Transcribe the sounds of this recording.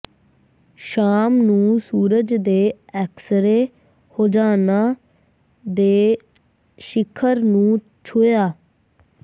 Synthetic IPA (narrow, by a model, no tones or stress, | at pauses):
ʃaːmnũːsuːɾəd͡ʒd̪eːɛːksəɾeː | hoːd͡ʒaːnaː | d̪eː | ʃɪkʰəɾnũː | t͡ʃʰʊjaː